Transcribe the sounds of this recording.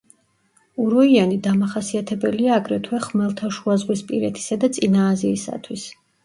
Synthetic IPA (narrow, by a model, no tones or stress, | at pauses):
uɾɔianid̪amaχasiat̪ʰɛbɛliaːɡɾɛt̪ʰwɛχmɛlˠt̪ʰaʃuazʁwispʼiɾɛt̪ʰi̥sad̪at̪sʼinaːziːsa̰t̪ʰwis